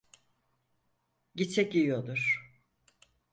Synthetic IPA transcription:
ɟit͡ʃʰɛcijod̪uɾ̥

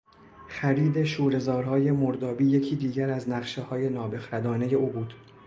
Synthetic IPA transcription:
xæɾiːd̪e̞ʃuːɾe̞zɒːɾhɒːje̞moɾd̪ɒːbiːje̞cʰiːd̪iːɟæɾæznæɢʃehɒːje̞nɒːbe̞xɾæd̪ɒːne̞je̞ʔuːbuːd̪̥

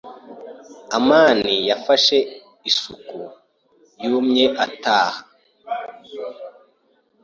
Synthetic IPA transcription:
amaːnijafaʃe̞ | isuku | juːmɲeʔataːha

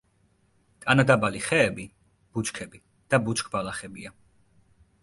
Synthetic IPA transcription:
t̪ʼanad̪abaliχɛːbi | b̥ut͡ʃkʰɛbi | d̪̥abut͡ʃkʰʼbalaχɛbia

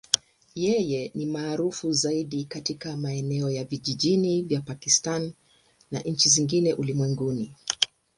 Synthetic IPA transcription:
jɛjɛnimaːɾufuzaiɗikatikamaɛnɛɔjaviʄiʄinivjapakistanː | a̰ʔɲ̩t͡ʃiziŋɡinɛʔulimwɛŋɡuni

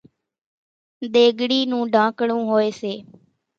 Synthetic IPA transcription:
d̪eːɡɽiːnũːɖãːkɽũːɦoːeːseː

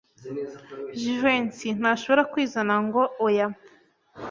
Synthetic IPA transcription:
ʒiʒwensin̥aːʃo̞βo̞ɾakwiːzanaŋɡo̞oja

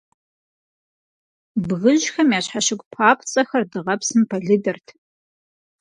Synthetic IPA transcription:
bɣɨʑxɐmjaːɕħaɕɪɡʷpʰaːpʰt͡sʼɐxɐrdɨʁɐpsɨmpʰɐɮɨdɐrtʰ

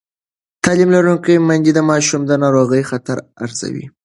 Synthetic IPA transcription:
t̪ɑlimlaɾuŋkəjmand͡ʒ̪id̪əmɑʃumd̪ənɑɾoɣəjxat̪aɾa̰ɾz̥a̰wḭ

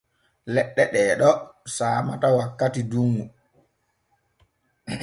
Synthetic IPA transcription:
lɛɗːɛɗɛːɗɔsaːmatawakːatiduŋːu

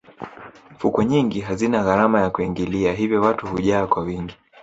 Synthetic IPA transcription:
fukɔɲiŋɡiɦazinaɣaɾamajakuiŋɡiliaɦivjɔwatuhuʄaːkwawiŋɡi

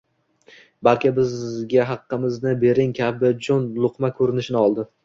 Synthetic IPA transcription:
balkʲɪbɪzɡʲaɦɑqːɨmɪznɪbe̞ɾɪŋkʲʰabɪd͡ʒɒnlˠʊqmakʰɵɾɪnɪʃɪnɪɒlˠd̪ɪ

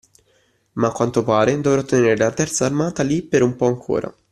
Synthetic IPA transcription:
makwant̪opaːɾed̪ovɾɔt̪ːeneːɾelat̪ɛrt̪saːrmaːt̪alipːeɾumpɔaŋkʰo̰ːɾa̰

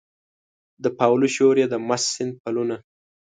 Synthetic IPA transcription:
d̪əpawluʃoɾjed̪əmasːɪnd̪̚paluna

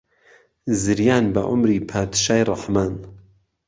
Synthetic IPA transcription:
zɨɾjaːnbɐʔʊ̰mɾiːpʰaːd̪ʃaːjrˤɑħmaːn

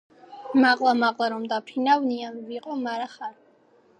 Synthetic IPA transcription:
maqʼlˠamaqʼlˠaɾɔmd̪apʰinavnianviqʼɔmaɾaχaɾ

